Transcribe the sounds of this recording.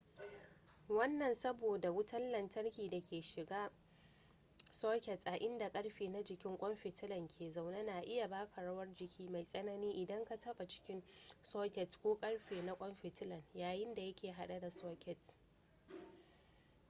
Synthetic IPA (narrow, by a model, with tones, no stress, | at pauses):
wɐ˦nːɐ˨nsɐ˦boː˨da˨wʊ˦tɐ˦nlɐ˨ntɐ˦rkʲiː˨da˨kʲʰeː˨ʃɪ˨ɡaː˦ | soː˦kʲɛ˨tʔa˨ʔɪ˦nda˨kʼɐ˦ɽɸeː˨na˦d͡ʒɪ˨kʲɪ˦ŋkʷʼɔ˦mɸɪ˨tɪ˦lɐ˨ŋkʲʰeː˨za˨wna˦na˨ʔɪ˦ja˨baː˦kʰa˨ɽɐ˦wɐ˦rd͡ʒɪ˨kʲʰiː˦ma˨jsʼɐ˦nɐ˦niː˦ʔɪ˨dɐ˦ŋka˨tɐ˦ɓa˨t͡ʃɪ̥˦kʲɪ˦nsoː˦kʲɛ˨tkʷoː˦kʼɐ˦ɽɸeː˨na˦kʷʼɔ˦mɸɪ˨tɪ˦lɐ˨njaː˨jɪ˦nda˨jɐ˦kʲeː˨ɦa˦ɗa˦da˨soː˦kʲɛ˨t